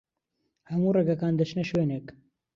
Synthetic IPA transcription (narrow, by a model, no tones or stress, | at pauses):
hɐmuːreɡɐkaːnd̪ɐt͡ʃneʃweːneːk